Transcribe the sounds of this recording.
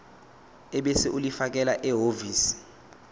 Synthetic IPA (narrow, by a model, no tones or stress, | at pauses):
ɛɓesiʔulifak̬ɛlaʔɛɦoviːsi̥